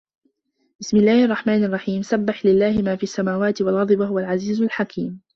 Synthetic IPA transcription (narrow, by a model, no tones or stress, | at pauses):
b̥ɪsmɪlːaːhʔɑrˤːɑħmaːnɑrˤːɑħiːmsabːaħlɪlːaːhɪmaːfiːʔasːamaːwaːt̪ɪwalɣɑd̪ˤbwaɦʊwalʕaziːzʊlħakʰiːm